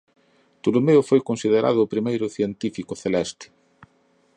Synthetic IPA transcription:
t̪ulumeʊfojkonsið̞eɾa̰ð̞ʊːpɾimejɾʊθjent̪ifikʊθelɛst̪ɪ̥

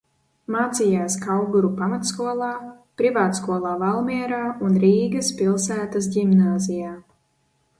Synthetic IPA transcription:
maːt̪sijaːskawɡuɾupamat̪skuɔlˠaː | pɾivaːt̪skuɔlˠaːvalˠmiɛɾaːunɾiːɡɐspʲilˠsæːt̪asdimnaːzijaː

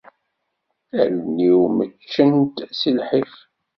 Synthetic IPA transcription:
ælniwmət͡ʃːənt̪silħif

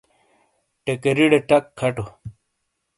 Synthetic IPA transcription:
ʈekeɾiɽeʈɐkʰːɐʈo

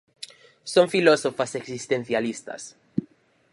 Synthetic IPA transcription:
sõŋfilosofaseksist̪ẽnθjalist̪a̰s

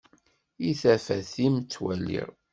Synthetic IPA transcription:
iθæfæθimt͡sːwælːḭʁ

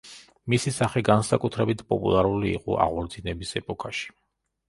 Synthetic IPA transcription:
misisaχɛɡansakʼut̪ʰɾɛbit̪ʰpʼɔpʼṵlˠaɾulḭːqʼɔ̰ʔa̰ʁwɔɾd̪zinɛbisɛpʼɔkʰaʃi̥

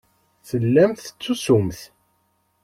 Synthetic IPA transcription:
θəlːæmθə̥t͡sːusumθ

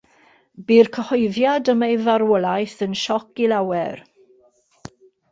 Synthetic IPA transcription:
biːrkʰəhɔjðjadəmejvaɾwɔlˠajθənʃɔkilawɛr

